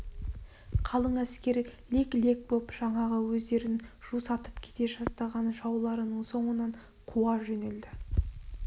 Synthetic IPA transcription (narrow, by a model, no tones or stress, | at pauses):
qʰɑlˠəɴæskʲe̞ɾɪlʲekle̞k̚bopʒ̥ɑɴɑʁəwɵzd̪e̞ɾɪnʒ̥usɑt̪ə̥pkʲʰe̥t̪e̞ʒɑst̪ɑʁɑnʒɑwlˠɑɾənəɴso̞ɴənɑɴ | qʰuwɑʒɵneld̪ɪ